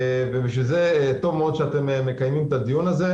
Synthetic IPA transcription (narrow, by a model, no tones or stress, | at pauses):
veviʃ̬vilzet̪o̞vmeod̪ʃeat̪e̞memekajmimt̪ad̪ijunaze